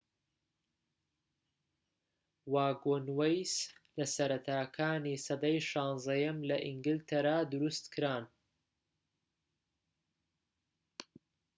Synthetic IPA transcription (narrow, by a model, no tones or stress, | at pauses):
waːɡonwejslɐsɐɾɐt̪ʰaːkʰaːniːsɐd̪ɐjʃɑːnzɐjɐmlɐʔiŋɡɨlt̪ʰɐɾaːd̪ʊɾust̪kɨɾaːn